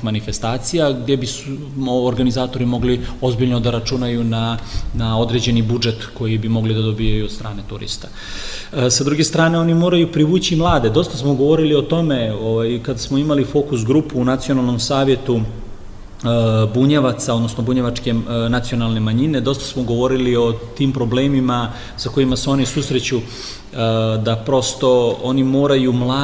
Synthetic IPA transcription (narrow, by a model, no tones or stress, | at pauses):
imanife̞st̪aːt̪sijaɡd̪je̞bisu | oɾɡanizaːt̪o̞ɾimo̞ɡlio̞zbiʎno̞d̪aɾat͡ʃunajunanao̞d̪ɾe̞d͡ʑe̞nibud͡ʒe̞t̪ko̞jibimo̞ɡlid̪ad̪o̞bijajud̪st̪ɾa̰ːne̞t̪uɾḭst̪ḁ | sad̪ɾuɡe̞st̪ɾaːne̞o̞nimo̞ːɾajupɾiʋuːt͡ɕimlˠaːd̪e̞d̪o̞st̪asmoɡo̞ʋo̞ɾilio̞t̪o̞me̞oʋajkad̪asmoimalifo̞kus̬ɡɾupuːnat̪sijonalˠno̞msaːʋje̞t̪u | buɲeʋat̪sao̞d̪no̞snobuɲeʋat͡ʃke̞nat̪sijo̞nalˠne̞maɲine̞d̪o̞st̪ḁsmoɡo̞ʋo̞ɾilio̞t̪impɾo̞bleːmima | sako̞imaseo̞nisusɾe̞t͡ɕu | d̪apɾo̞st̪o̞onimo̞ːɾajumlaː